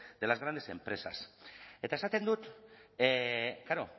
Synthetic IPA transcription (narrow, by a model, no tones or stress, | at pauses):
d̪̥e̞lazɣɾand̪ese̞mpɾe̞sa̰se̞t̪aesat̪e̞nd̪ut̪ | kaɾo̞